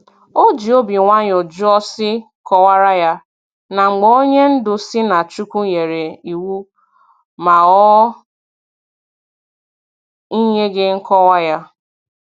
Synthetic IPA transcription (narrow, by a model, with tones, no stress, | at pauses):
o˦d͡ʒi˨o˦bi˨ŋʷa˦ɲ˨o˨d͡ʒu˦ɔ˦sɪ˦ | kɔ˦wa˦ɾa˦ja˦ | na˨ŋ͡m̩˨ɡ͡bɔ˦o˦ɲe˦n̩˦dʊ˨sɪ˦na˨t͡ʃu˦kʷu˦ɲe˨ɾe˨i˨wu˦ | ma˨ɔ˦ | i˦ɲe˦ɡɪ˦ŋ̩˦kɔ˦wa˦ja˦